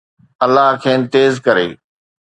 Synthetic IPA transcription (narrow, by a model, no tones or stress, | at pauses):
ɐlːaɦkʰeːnt̪eːzkɐɾeː